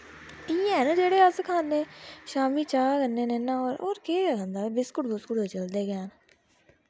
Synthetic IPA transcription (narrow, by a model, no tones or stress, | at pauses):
iːɛ̃ːnːd͡ʒeːɽeːəskʰaːneːʃaːmiːt͡ʃaːkəneːnenãːoːɾoːɾkeːkənd̪aːbɪskʊʈbʊskʊɽet͡ʃəld̪eːɡɪjaːn